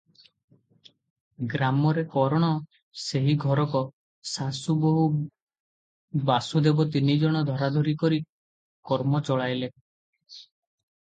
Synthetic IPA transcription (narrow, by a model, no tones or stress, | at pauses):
ɡɾamɔɾekɔɾɔɽ̃ɔ | seɦiɡʱɔɾɔkɔ | sasuboɦu | basud̪ebɔt̪inid͡ʒɔɽ̃ɔd̪ʱɔɾad̪ʱoɾikɔɾi | kɔɾmɔt͡ʃɔɭajle